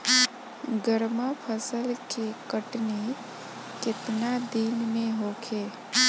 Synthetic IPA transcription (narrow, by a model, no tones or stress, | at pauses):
ɡəɾmapʰəsəlkekəʈni | kɪt̪nad̪inmẽɦokʰeː